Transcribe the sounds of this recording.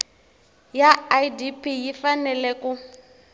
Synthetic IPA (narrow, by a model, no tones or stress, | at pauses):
jaadipʰʼijifanɛlɛku